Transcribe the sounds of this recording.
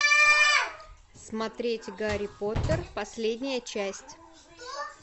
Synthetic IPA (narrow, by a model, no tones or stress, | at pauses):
smɐt̪ɾʲetʲɡaɾʲɪpot̪ərpɐsʲlʲedʲnʲɪjət͡ɕæsʲtʲ